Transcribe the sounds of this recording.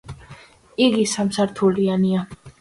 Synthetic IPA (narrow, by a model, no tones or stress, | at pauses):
iɡisamsaɾt̪ʰuliania